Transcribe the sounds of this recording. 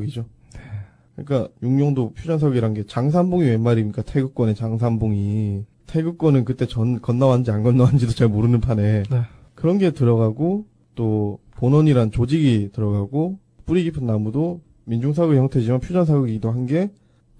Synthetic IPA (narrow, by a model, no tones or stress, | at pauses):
ɡid͡ʑo | ne | kɯɲik͈ajuŋɲʌŋdopʰjud͡ʑʌns̬ʰaɡɯɡiɾanɡe̞t͡ɕaŋs̬ʰanbuŋiwe̞mːaɾiɲik͈atʰeɡɯk͈wʌne̞t͡ɕaŋs̬ʰambuŋi | tʰeɡɯk͈wʌnɯnkɯt͈e̞t͡ɕʌnkʌnːawand͡ʑianɡʌnːawand͡ʑidot͡ɕaɭmoɾɯnɯnpʰane̞ | kɯɾʌnɡe̞tɯɾʌɡaɡo | t͈oponʌɲiɾant͡ɕod͡ʑiɡitɯɾʌɡaɡo | p͈uɾiɡipʰɯnːamudo | mind͡ʑuŋsʰaɡɯɡiçjʌŋtʰe̞d͡ʑimanpʰjud͡ʑʌnsʰaɡɯɡiɡidoɦanɡe̞